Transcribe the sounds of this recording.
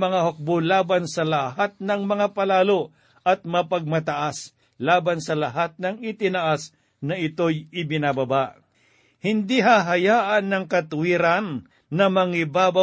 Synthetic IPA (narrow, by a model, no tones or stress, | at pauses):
mɐŋaɦok̚bolaːbansɐlɐɦat̪̚nɐŋmɐŋapɐlaːlo | ʔɐt̪̚mɐpɐɡ̚mɐt̪ɐʔas | laːbansɐlɐɦat̪̚nɐŋɪt̪ɪnaʔas | nɐɪt̪ojɪbɪnabɐbaʔ | hɪnd̪iɦaːɦɐjaːʔɐnːɐŋkɐt̪ʊwiːɾanː | ɐmɐŋɪbaːba